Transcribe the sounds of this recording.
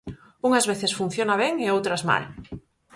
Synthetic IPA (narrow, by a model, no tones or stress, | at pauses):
uŋazβeθɪsfun̟θjonaβ̞eŋeowt̪ɾazma̰l